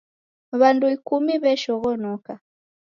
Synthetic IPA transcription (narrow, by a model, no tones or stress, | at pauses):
βanduikumiβɛʃɔɣɔnɔka